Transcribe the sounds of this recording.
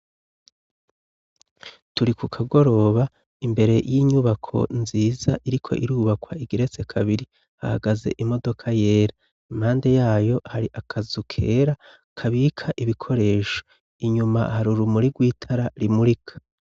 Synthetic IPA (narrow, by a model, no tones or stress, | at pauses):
tuɾikukʰaɡo̞ɾo̞ːβa | imbe̞ɾe̞jiɲuβakʰo̞̰nziːzaʔiɾikʰo̞̰ʔiɾuːβakwaiɡiɾe̞t͡se̞kʰaβiɾi | ha̰haɡaze̞̰ʔimo̞do̞kʰaje̞ːɾa | imhaːnde̞jaːjo̞haɾiʔakʰazukʰe̞ːɾa | kʰaβiːkʰaʔiβikʰo̞ɾe̞ːʃo̥ | iɲumahaɾuɾumuɾiɡwiːtʰaɾaɾimuɾikʰḁ